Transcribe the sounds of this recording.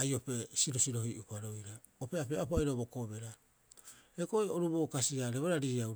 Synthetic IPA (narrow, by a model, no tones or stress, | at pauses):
ajo̞pe̞siɾo̞siɾo̞hiʔukaɾo̞jɾa | opeape̞apoajɾobokobe̞ɾa | eɡojoɾubokasiaɾeβoɾaɾiaw